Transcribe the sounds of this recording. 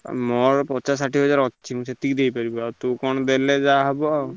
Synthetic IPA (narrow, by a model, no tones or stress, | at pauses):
mɔɾpɔt͡ʃas̬aʈiɦɔd͡ʒaɾɔt͡ʃimũset̪ik̚d̪ejpaɾibɔaɾt̪ukɔɳ̃ɔd̪eled͡ʒaɦɔbɔa